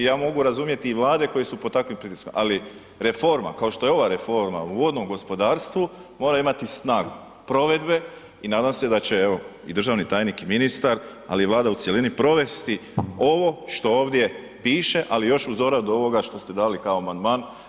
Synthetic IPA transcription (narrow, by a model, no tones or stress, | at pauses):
jaːmo̞ɡuɾazumje̞t̪iːʋlˠaːd̪e̞ko̞jesupot̪akʋimpɾit̪iskomʔali | ɾe̞fo̞ɾma̰kao̞ʃt̪o̞jeo̞ʋaɾe̞fo̞ɾma̰uo̞d̪no̞mɡo̞spo̞d̪aːɾst̪ʋumo̞ːɾaimat̪isnaːɡu | pɾo̞ʋe̞d̪be̞ | inaːd̪amse̞d̪at͡ɕe̞eʋo̞ | ḭd̪ɾr̩ʒaːʋnit̪aːjnikiminist̪aɾ | a̰liːʋlˠaːd̪ausjelinipɾo̞ʋe̞st̪io̞ʋo̞ʃt̪o̞o̞ːʋd̪je̞ | piːʃe̞ʔalijo̞ʃuzo̞ɾad̪oo̞ʋo̞ɡaʃt̪o̞st̪e̞d̪aːlikaoamand̪maːn